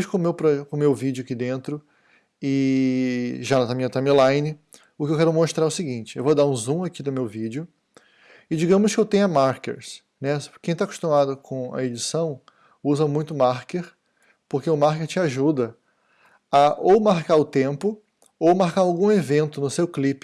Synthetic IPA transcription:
ʃkõmewpɾɐkõmewvid͡ʒʊakid̪ẽnt̪ɾʊ | ɪ | ʒanɐt̪amĩɐt̪ãj̃milãjnɪ | ʊkɪewkɛɾʊmoʃt̪ɾaɾɛʊsɪɡĩt͡ʃɪewvod̪aɾũzũakid̪ʊmewvid͡ʒʊ | ɪd͡ʒiɡɐ̃mʊskɪewt̪ẽj̃ʊɐmaɾkḛɾs | nɛkẽj̃t̪akʊ̥ʃt̪umad̪ʊkʰõɐ̰ed͡ʒisɐ̃w̃ | uzɐmũj̃t̪ʊmaɾkeɾ | poɾkeʊmaɾkeɾt͡ʃɪaʒud̪ɐ | aʔowmaɾkaɾʊt̪ẽmpʊ | owmaɾkaɾawɡũevẽnt̪ʊnʊsewklipɪ̥

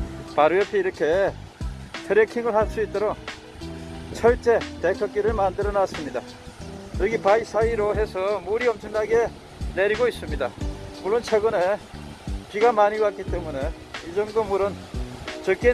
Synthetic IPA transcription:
paɾɯjʌpʰiiɾʌkʰe̞ | tʰeɾekʰiŋɯɭɦaɭs͈uit̚t͈ʌɾo | t͡ɕʰʌɭt͡ɕ͈e̞tekʰʌk͈̚iɾɯɭmandɯɾʌnas͈ɯmɲida | ɯɾʌkʰipais͈ʰaiɾoɦe̞sʰʌmuɾiʌmt͡ɕʰɯŋdaɡe | neɾiɡois͈ɯmɲidamuɭːont͡ɕʰeɡɯne | piɡamaɲibat̚k͈it͈e̞mune̞ | id͡ʑʌŋdomuɾʌnt͡ɕʌk͈ʰe

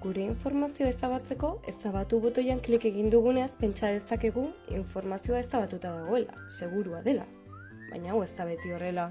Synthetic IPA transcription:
ɡuɾe̞iɱfo̞ɾmasio̞esaβat͡se̞ko̞e̞saβ̞at̪uβo̞t̪o̞jaŋklike̞ɣ̞ind̪uɣ̞une̞aspe̞nt͡ʃað̞e̞sake̞ɣuḭɱfo̞ɾmasio̞ae̞saβat̪ut̪aðaɣ̞o̞e̞la̰se̞ɣ̞uɾuaðe̞la̰ | βa̰jɲaːwe̞st̪aβ̞e̞t̪io̞re̞la

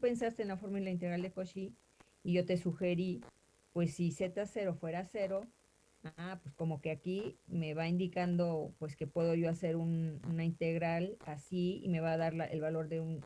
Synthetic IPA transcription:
upe̞nsast̪e̞ːnlafo̞ɾmaenlaint̪eɣɾald̪ekoʃiː | ʝo̞t̪e̞suxe̞ɾi | pwe̞sːise̞t̪ase̞ɾo̞fwe̞ɾase̞ɾo̞ | aapwesko̞mo̞ke̞akime̞βaind̪ikand̪o̞pwe̞ske̞pwe̞ðo̞ʝo̞ase̞ɾununaint̪e̞ɣɾalasiḭme̞βaːðaɾlaʔḛlβalo̞ɾðe̞un

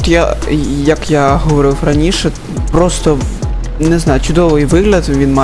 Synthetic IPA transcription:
t̪jajɐkjaɦɔʋɔɾɪfrɐnʲiʃɛ | pɾɔst̪ɔ | nɛznɑjʊt͡ʃʊd̪ɔʋɪjʋɪɦlʲɐt̪ʋʲinma

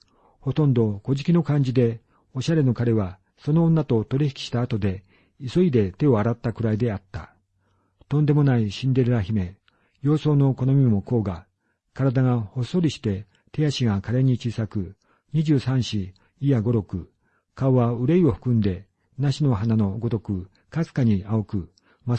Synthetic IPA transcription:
ho̞t̪õ̞nd̪o̞ko̞ʑikʲino̞kãɲ̟d͡ʑid̪e̞ | o̞ɕaɾe̞no̞kaɾe̞βa | so̞nõːnːat̪o̞t̪o̞ɾʲiçi̥kʲi̥ɕi̥t̪aːt̪o̞d̪e̞ | iso̞id̪e̞t̪e̞o̞aɾat̪ːakɯ̟ɾaid̪e̞at̪ːa̰ | t̪õ̞nd̪e̞mo̞naiɕĩnd̪e̞ɾɯ̟ɾaçime̞ | jo̞ːso̞ːno̞ko̞no̞mʲimo̞ko̞ːɡa | kaɾad̪aŋaho̞soɾʲiɕi̥t̪e̞ | t̪e̞jaɕiɡakaɾe̞ɲ̟it͡ɕisakɯ̟ | ɲ̟iʑɨːsãɰ̃ɕiː | jaɡo̞ɾo̞kɯ̟ | kaoβaɯ̟ɾe̞io̞ɸɯ̥kɯ̟̃nd̪e̞ | naɕino̞ɦanano̞ɡo̞t̪o̞kɯ̟ | kasɨ̥kaɲ̟iao̞kɯ̟ | ma

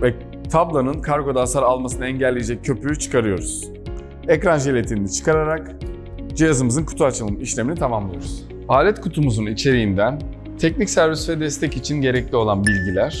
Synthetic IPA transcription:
vɛ | t̪ʰablˠanɯnkʰaɾɡo̞d̪ansaɾalˠmasɯnaɛɲɟɛlʲːejed͡ʒɛc̚ʰːø̞pʰyyt͡ʃʰɯ̥kʰaɾɯjo̞ɾuz̥ | ɛcɾanʒelʲet̪ʰind̪it͡ʃʰɯ̥kʰaɾaɾak | d͡ʒijazɯmɯzɯnkʰu̥t̪ʰuat͡ʃʰɯlˠɯmiʃlʲeminit̪ʰamamlˠɯjo̞ɾuz̥ | aːlʲɛt̪kʰut̪ʰumuzunit͡ʃʰe̞ɾijind̪æn | t̪ʰɛcnicsæɾvisivɛd̪ɛst̪ʰɛcit͡ʃʰinɟe̞ɾɛclʲio̞lˠanbilʲɟilʲæɾ̥

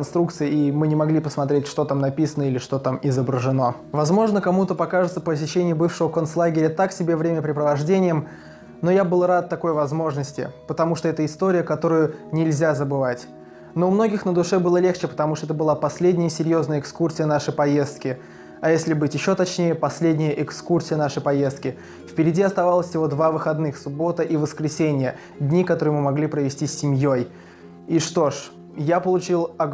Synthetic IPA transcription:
nst̪ɾuk̚t̪sɨjɪimɨnʲɪmɐɡlʲipəsmɐt̪ɾʲetʲʂt̪o̞t̪amnɐpʲisənəilʲɪʂt̪o̞t̪amɪzəbɾəʐɨno̞ | vɐzmo̞ʐnəkɐmut̪əpɐkaʐɨt̪səpəs̬ʲɪɕːenʲɪjəbɨfʂəvəkont̪slˠaɡʲɪɾʲət̪aksʲɪbʲe̞vɾʲemʲəpɾʲɪpɾəvɐʐdʲenʲɪjəm | no̞jabɨlˠrat̪ːɐko̞jvɐzmo̞ʐnəsʲtʲɪ̰pət̪ɐmuʂt̪oɛt̪əɪst̪o̞ɾʲɪjəkɐt̪oɾʊjʊnʲɪlʲzʲazəbɨvatʲ | no̞ʊmno̞ɡʲɪxnəd̪ʊʂɛbɨlˠəlʲe̞xt͡ɕɪpə̥t̪ɐmuʂt̪oɛt̪əbɨlˠapɐsʲlʲedʲnʲɪjəsʲɪɾʲjo̞znəjəɪkskursʲɪjənaʂɨjpɐjest̪̚kʲɪ | ɐjesʲlʲɪbɨtʲjɪɕːo̞t̪ɐt͡ɕnʲejəpɐsʲlʲedʲnʲɪjəʔɪkskursʲɪjənaʂɨjpɐje̞st̪̚kʲɪ | fʲpʲɪɾʲɪdʲiɐst̪ɐvalˠəsʲjɪvo̞d̪vavɨxɐd̪nɨxsʊbo̞t̪ɨʔivəskɾʲɪsʲenʲɪjə | dʲnʲikɐt̪o̞ɾɨjmɨmɐɡlʲipɾəvʲɪsʲtʲisʲːɪmʲjoj | iʂt̪o̞ʂ | japəlˠʊt͡ɕilˠɐ

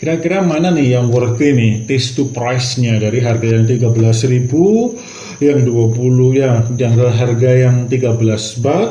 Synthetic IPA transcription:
kiɾakiɾamananɪhjaŋwərt̪inɪht̪ɪst̪upɾajsɲadaɾiɦarɡajaŋt̪̬iɡabəlasribu | jaŋduapulʊhjajaŋd̪əɦarɡajaŋt̪iɡabəlasbat̪

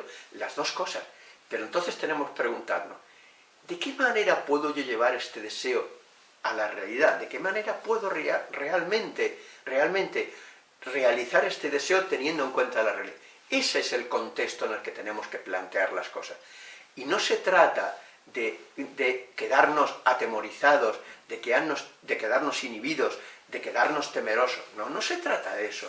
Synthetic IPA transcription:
lazðo̞sko̞saspeɾont̪o̞θe̞st̪e̞nẽ̞moskpɾe̞ɣunt̪aɾno̞̰s | d̪e̞ke̞mane̞ɾapwe̞ðo̞ʝo̞ʝe̞β̞aɾe̞st̪e̞ðe̞se̞o | alare̞aliðaðe̞ke̞mãne̞ɾapwe̞ðo̞reare̞almẽnt̪ere̞almẽnt̪e̞ | re̞aliθaɾe̞st̪e̞ðe̞seo̞t̪e̞njend̪oeŋkwe̞nt̪alare̞aliða | e̞seese̞lko̞nt̪e̞kst̪oene̞lke̞t̪e̞nẽ̞mo̞ske̞plant̪eaɾlasko̞sasino̞se̞t̪ɾat̪a | ðed̪eke̞ðaɾno̞sat̪e̞mo̞ɾiθaðo̞zðe̞keanosd̪e̞ke̞ðaɾno̞siniβ̞iðo̞zd̪e̞ke̞ðaɾno̞st̪e̞me̞ɾo̞sosnono̞se̞t̪ɾat̪aðe̞so

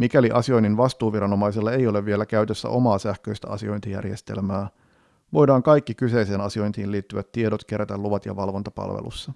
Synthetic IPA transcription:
mikæliʔɑsio̞jnːinʋɑst̪uːʋiɾɑno̞mɑjselːɑe̞jo̞le̞ʋːie̞lækæyt̪ø̞sːæ̰ʔo̞mɑːsæhkøjst̪æʔɑ̰sio̞jnt̪ijæ̰rjest̪e̞̰lmæː | ʋo̞jdɑːŋkɑjkːikyse̞jse̞ːnɑsio̞jnt̪iːnliːt̪ːyʋæt̪ːie̞dot̪k̟e̞ɾæt̪æluʋɑt̪jɑ̰ʋɑlʋo̞nt̪ɑpɑ̰lʋḛlṵsːɑ

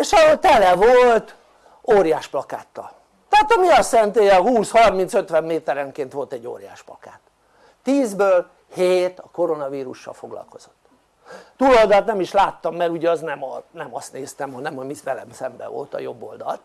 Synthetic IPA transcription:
eʃɒt̪ɛlɛvolt̪ | oːɾjaːʃplɒkaːt̪ːɒ̰l | t̪ɛaːt̪ɒmiɒsɛnt̪eːjɒhuːshɒrmint̪sø̞t̪ʋɛmːeːt̪ɛɾɛŋkeːnt̪ʋo̞lt̪ɛɟːo̰ːrja̰ːʃplɒkaːt̪ː | iːzbøːl | heːt̪ɒkoɾo̞nɒviːɾuʃːɒ̰lfo̞ɡlɒ̰lko̞z̥o̞̥t̪ː | t̪uːlold̪ɒlt̪nɛmiʃlaːt̪ːɒmːɛɾuɟɛɒznɛmɒnɛmɒst̪neːst̪ɛmhonɛmhoɟmisʋɛlɛ̰msɛmbɛ̰vo̰lt̪ɒ̰jo̞bːo̞̰ld̪ɒ̰lt̪

